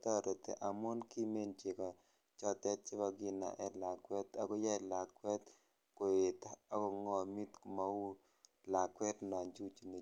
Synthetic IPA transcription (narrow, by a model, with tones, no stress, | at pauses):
tɔ˦˨ɾo˨t̪ḛ˨ʔa˨mʊ˦nki˦me˦˨nt͡ʃɪ˨kɔ˨ | t͡ʃɔ˦tɛ˦t̚t͡ʃɪ˦ba˦ɡɪ˨na̰˨ʔɛ˨la˨kwɛ˦ta˨ɡɔ˦ja˦˨la˨kwɛ˦t̪ | kʊ˨ɪ˨taa˦kɔ˨ŋɔ˨mi˦t̪kma˨u˦ | la˨kwɛ˦tnɔ˨nd͡ʒu˦t͡ʃu˨ne˨